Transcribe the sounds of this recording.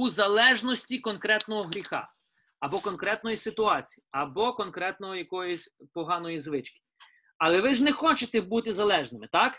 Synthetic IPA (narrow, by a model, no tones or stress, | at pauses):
uzɐlˠɛʒnɔsʲtʲikɔnkɾɛt̪nɔɦɔɦɾʲixɑ̰ | ɐbɔkɔnkɾɛt̪nɔjisɪt̪ʊɑt͡sʲi̥jiɐbɔkɔnkɾɛt̪nɔɦɔjɐkɔjɔsʲpɔɦɑnɔjizʋɪt͡ʃkɪ̥ | ɐlˠɛʋɪʒnɛxɔt͡ʃet̪ɛbut̪ɪzɐlˠɛʒnɪmɪt̪ɑk